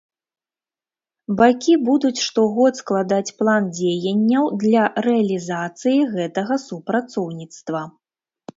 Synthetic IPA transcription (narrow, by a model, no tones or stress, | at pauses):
bakʲibud̪ut͡sʲʂt̪ɔɣɔt̪sklˠad̪at͡sʲplˠand͡zʲejɐnʲːɐwd̪lʲarɛɐlʲizat̪sɨjiɣɛt̪ɐɣɐsupɾat̪sɔwnʲit̪st̪vɐ